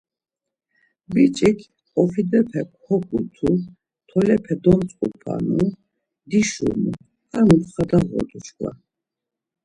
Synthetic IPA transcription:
bit͡ʃʼikʰ | qʼɔpʰid̪ɛpʰɛkʷʰhɔkʰut̪ʰu | t̪ʰɔlɛpʰɛd̪ɔmt͡sʼqʼupʰa̰nu | d̪iʃṵnu | amupχad̪aʁɔ̰d̪uʃkʼwa̰

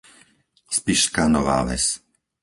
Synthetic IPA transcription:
spiʃkanɔʋa̰ːʋɛ̰s

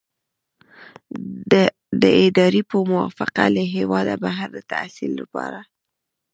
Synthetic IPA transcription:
d̪əɪd̪ɑɾipəmʊwɑ̰fɪqaləɦewɑd̪abaɦaɾd̪ət̪a̰silːapɑɾa

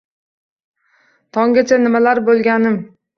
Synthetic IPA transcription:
t̪ʰɒŋɡʲat͡ʃʰanɪmalaɾbolˠɡʲanɪm

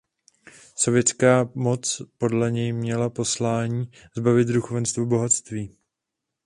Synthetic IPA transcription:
so̞vjɛt͡skaːmo̞t͡spo̞dlɛɲɛjmɲɛlapo̞slaːɲiː | zbavɪt̪duxovɛnst̪vubo̞ɦat̪st̪viː

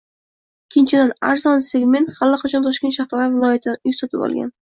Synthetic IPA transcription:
ɪkʲʰːɪnt͡ʃʰɪd̪ana̰ɾzɒnseɡme̞nt̪χalːɪqʰɑt͡ʃʰɒnt̪ʰɒʃkʲenʃahɾɒavɪlˠɒjat̪ʰɪjʊsat̪ʰɪbɒ̰lˠɡʲa̰n

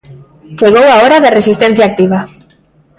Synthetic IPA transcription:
seɣowaoɾaðeresist̪e̞nθiaːk̚t̪iβ̞a

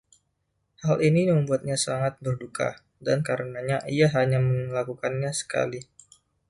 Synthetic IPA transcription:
halʔinijməmbuat̪̚ɲasaŋat̪̚bərdukʰa̰ | dankaɾənaɲaʔijaɦaɲaməŋlakukanɲasə̥ka̰li

